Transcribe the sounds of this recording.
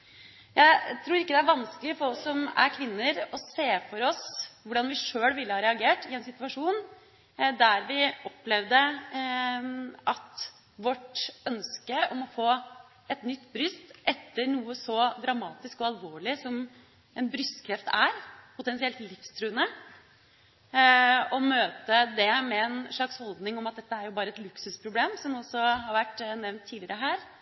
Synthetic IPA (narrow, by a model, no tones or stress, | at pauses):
jæɪt̪ʰɾuːɾɪkːəd̪ɛæɾʋɑnskəlɪfɔɾɔsːɔmæ̰ɾkʰʋɪnːəɾɔseːfɔɾɔsʋʊɖɑnʋɪʂøːlʋɪlːəhɑːɾɛɑɡeːʈɪɛnsɪt̪ʋɑʂuːn | d̪æɾʋɪʔɔplɛʋd̪ə | ɑt̪ | ʋɔʈœnskəʔɔmɔfoː | ɛt̪nʏt̪ːbɾʏst̪ʔɛt̪ːəɾɳuːəsɔd̪ɾɑmɑːt̪ɪskɔɑlʋoːɭɪsɔm | ɛnbɾʏst̪kʰɾɛft̪æɾpʰʊt̪ɛnsɪɛlt̪lɪfst̪ʰɾʉːənə | ɔmøːt̪əd̪ɛmɛːnʂɑkshɔld̪nɪŋɔmɑt̪̚d̪ɛt̪ːəæɾjʊbɑːɾəɛt̪lʉksʉspʰɾʊbleːmsɔmɔsɔhɑɾʋæʈːnɛʋnt̪ʰːiːlɪəɾəɦæːɾ